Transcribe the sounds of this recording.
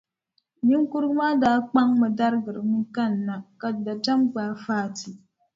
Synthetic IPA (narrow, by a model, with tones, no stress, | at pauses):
ɲi˦ŋ˦ku˦ɾɡɨ˦maː˦daː˦k͡pa˦ŋmɛ˨da˦ɾɨ˦ɡɨ˨ɾɨ˨mɨ˦ka˦˨nː˨a˨ka˨da˨ta˦mɡ͡baː˨˦faː˦˨ti˨